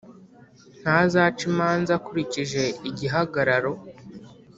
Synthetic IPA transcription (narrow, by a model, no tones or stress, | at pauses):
n̥hazaːt͡ʃimaːnzakuɾiciʒe̞iɟiɦaɡaɾaɾo̞